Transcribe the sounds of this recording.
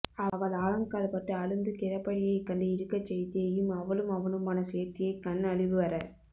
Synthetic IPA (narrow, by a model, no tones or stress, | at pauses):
ɐʋɐɭaːɻɐŋkaːlpɐʈːɯɐɻɯnd̪ɯkɪɾɐpːɐɻɪjɐɪkɐɳɖɯɪɾɯkːɐt͡ʃːɛjt̪ːɪɐjɯmɐʋɐlɯmɐʋɐnɯmaːnɐseːt̪ːɪjɐɪkɐnːɐɻɪʋɯʋɐɾɐɾ